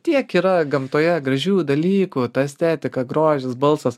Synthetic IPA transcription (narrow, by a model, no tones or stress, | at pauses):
t̪ʲiɛkiːɾɐɡɐmt̪oːjɛɡɾɐʒʲuːd̪ɐlʲiːkut̪ɑɛsʲt̪ʲæːt̪ʲɪkɐɡɾoːʒʲɪsbɐlˠsɐs